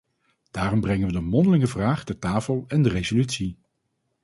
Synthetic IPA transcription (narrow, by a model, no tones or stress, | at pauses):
d̥aːrɔmbrɛŋənʋədəmɔndəlɪŋəvraːχdətaːfəlˠɛndərezolytsi